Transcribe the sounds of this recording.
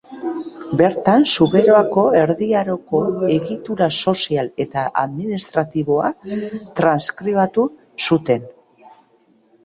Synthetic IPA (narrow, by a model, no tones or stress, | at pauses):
be̞ɾt̪ansuβe̞ɾoako̞e̞ɾðiaɾo̞ko̞e̞ɣit̪uɾaso̞siale̞t̪aʔaðminist̪ɾat̪iβo̞a̰t̪ɾanskɾiβat̪u | sut̪e̞n